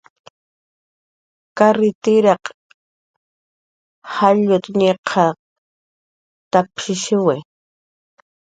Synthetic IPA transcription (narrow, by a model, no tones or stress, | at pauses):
kaɾɪt̪ɪɾɑq | haʎʊt̪ɲeqʰɑ | t̪apʃɪʃɪwe